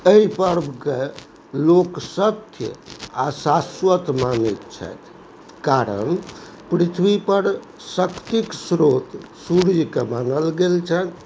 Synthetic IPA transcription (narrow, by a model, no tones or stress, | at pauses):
əipəɾbʱke | loksət̪ʰjə̰asasʋət̪manɛt̪t͡ʃʰɛ̰t̪ʰ | kaɾə̰n | pɾit̪ʰʋipəɾ | səkt̪iksɾot̪suɾd͡ʒkemanəlɡelt͡ʃʰɛt̪